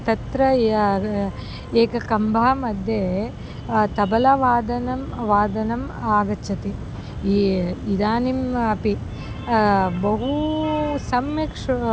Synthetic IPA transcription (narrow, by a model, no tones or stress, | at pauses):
t̪ɐt̪ɾɐ | eːkɐkɐmbʱɐɦɐmɐd̪ʱje | t̪ɐbɐlɐʋaːd̪ɐnɐmʋaːd̪ɐnɐmaːɡɐt͡ʃʰːɐt̪i | id̪aːnimɐpi | bɐɦusɐmʋɐkʂ